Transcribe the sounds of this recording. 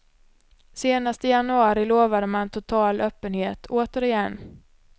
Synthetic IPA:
seːnast̪ɪjanɵɑːɾɪloːvad̪əmant̪ʰʊt̪ʰɑːlʔœːpːənheːt̪ʰoːt̪əɾɪjɛnː

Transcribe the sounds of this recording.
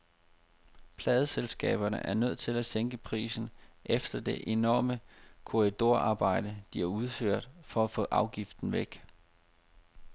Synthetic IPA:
pʰlɛːð̞ˠəselsɡ̥ɛ̰ːb̥ɐnə̰ʔæɐnøð̞̰ˠt͡sʰe̝læseŋɡ̥əpʰʁḭːsn̩ʔefd̥ɐd̥e̝ʔe̝nɒːməkʰo̝ʁid̥o̝ɐɑ̈ːb̥ɑ̈ɪ̰d̥əd̥iæuð̞ˠføɐ̰d̥fɒ̽æfɔ̰̽ːʔɑ̈ʊɡ̥ifd̥n̩ʋeɡ̥

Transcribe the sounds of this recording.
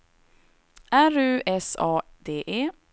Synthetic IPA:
æɾʉːɛsɑːd̪eːʔeː

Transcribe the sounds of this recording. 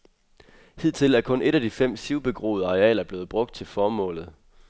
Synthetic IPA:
hið̰ˠt͡sʰe̝læɐkʰɔ̽ne̝ɾæd̥ifem̰siʊb̥e̝ɡ̥ʁo̝̰ːð̞̩ˠɑ̈ʁeɛ̰ːlɐb̥le̝ːð̩ˠb̥ʁɔ̽ɡ̥̚d̥̚t͡sʰe̝lfɒːmɔ̰̽ːlð̩ˠ

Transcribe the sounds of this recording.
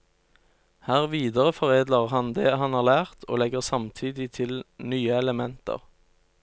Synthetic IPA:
hæːʁʋiːd̪əʁəfɔʁeːd̪ləʁhɑnd̪eːhɑnɑːʁlæːʁt̪ʰo̰ːlɛɡəʁsɑmt̪ʰiːd̪ɪt̪ʰɪlnyːəɛləmɛnt̪ə̰ʁ

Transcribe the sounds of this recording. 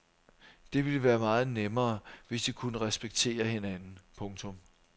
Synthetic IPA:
d̥e̝ʋiləʋæːɐmɑ̈ːð̞̩ˠnemɐːʋe̝sd̥ikʰunəʁɛsb̥eɡ̥̚t͡sʰe̝̰ːɐhe̝nænn̩pʰɔ̽ŋt͡sʰɔ̽m

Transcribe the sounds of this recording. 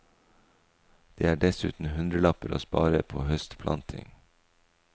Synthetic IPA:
d̪̥eːæːɖɛsʉ̰ːt̪n̩hʉnd̪ɾəlɑpəɾo̰ːspɑ̰ːɾəpʰoːhœst̪pʰlʔɑ̰nt̪ʰɪ̰ŋ

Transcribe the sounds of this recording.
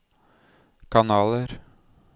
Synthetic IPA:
kʰɑnɑːləɾ

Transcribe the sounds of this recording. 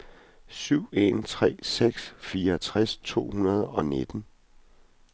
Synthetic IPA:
syʊ̰e̝̰nt͡sʰʁɛ̰ːseɡ̥sfiːɐt͡sʰʁast͡sʰo̝̰ːhunɐð̞ˠɒ̽ne̝d̥n̩

